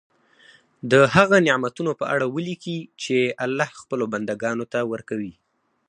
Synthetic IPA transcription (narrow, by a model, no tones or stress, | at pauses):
d̪əɦaɣanɪʕmat̪unopəʔaɽawəlikit͡ʃealːɑhxpəloband̪aɡɑnot̪awəɾkawi